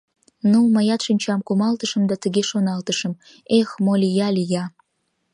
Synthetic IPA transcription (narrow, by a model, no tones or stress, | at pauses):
numɑjɑt̪ʃɨnʲt͡ɕɑmkumɑlt̪əʃə̆md̪ɑt̪əɡʲeʃonɑlt̪əʃə̆m | exmolʲijɑlʲijɑ